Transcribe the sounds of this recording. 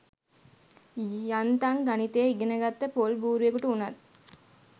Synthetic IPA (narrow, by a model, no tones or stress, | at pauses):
jant̪aŋɡanit̪eːiɡenəɡat̪ːəpolbuːɾuekuʈəunat̪